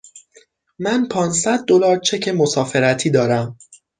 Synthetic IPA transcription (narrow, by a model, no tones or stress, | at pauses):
mænpʰɒːnsæd̪̚ːo̞lɒːɾt͡ʃʰe̞cʰe̞mo̞sɒːfe̞ɾæt̪ʰiːd̪ɒːɾæm